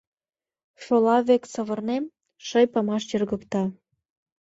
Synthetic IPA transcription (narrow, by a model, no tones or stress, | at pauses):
ʃolɑβeksəβə̆rnem | ʃəjpɑmɑʃjərɣəkt̪ɑ